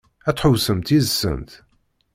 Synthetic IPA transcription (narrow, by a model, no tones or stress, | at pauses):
æt͡sːħʊwsəmt̪izsə̰nt̪